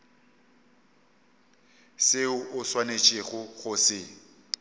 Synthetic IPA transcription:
sɪʊʔʊswanet͡ʃʼɪχʊχʊsɪ

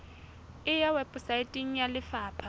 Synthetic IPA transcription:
ɪjawɛpʼʊsaɪtʼɪŋ̩jalɪfaːpʰa

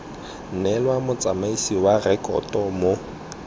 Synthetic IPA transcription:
n̩nɛlwamʊt͡sʼamaisiwarɛkʼɔ̰tʼɔmo

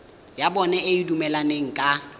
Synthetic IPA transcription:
jabɔnɛɪidumɛlaneŋ̩kʼa

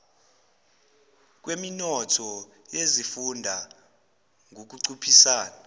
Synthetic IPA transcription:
k̬weminɔtʰɔ | jezifundʱa | ŋʱok̬uǀupʰisaːna

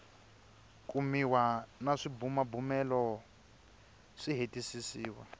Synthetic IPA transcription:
kʼumiwanaʂibumabumɛlɔ | ʂiɦetʼisisiːwa̰

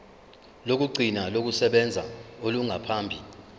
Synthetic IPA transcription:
lok̬uǀʱinalok̬usɛɓɛnd͡zʱaoluŋapʰaːmbʱi

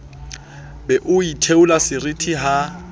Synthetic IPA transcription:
bɛʔʊitʰeulasɪrɪtʰiɦa

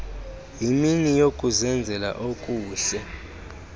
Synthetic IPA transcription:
jiminijokʼuzɛnd͡zʱɛla̰ʔokʼuːɬɛ

